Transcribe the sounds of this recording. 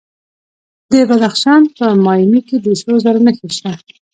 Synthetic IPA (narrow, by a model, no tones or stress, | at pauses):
d̪əbad̪axʃɑnpəmɑjmiked̪əsozaɾanəxeʃt̪a